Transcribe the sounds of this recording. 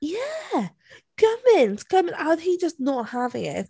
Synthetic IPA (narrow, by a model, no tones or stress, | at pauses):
jæ | kʰʌmɪ̃nskʰʌmɪ̃naɪid͡ʒʌsnət̚hævɪ̃ŋɪ̰t̚